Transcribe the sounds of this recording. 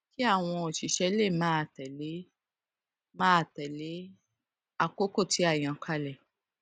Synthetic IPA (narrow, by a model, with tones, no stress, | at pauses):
ki˦a˦˨w̃ɔ̃˧o˨ʃi˨˦ʃɛ˧˦le˦˨mãː˨˦˨tɛ˨le˨˦ | mãː˦˨tɛ˨le˨˦ | a˧ko˦ko˦˨tʰi˨˦a˦˨j̃ã˧˨kʰa˧lɛ˨